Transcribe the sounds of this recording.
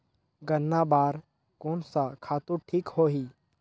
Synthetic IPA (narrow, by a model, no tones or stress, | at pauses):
ɡənːabaːɾ | koːnsakʰaːt̪uʈʰiːkhoːɦiː